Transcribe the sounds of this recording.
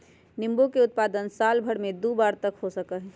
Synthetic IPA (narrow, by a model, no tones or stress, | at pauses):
nɪmbokeʊt̪̚paːd̪ənsaːlbʱəɽmẽd̪ubaːɾt̪əkɦosəkəɦ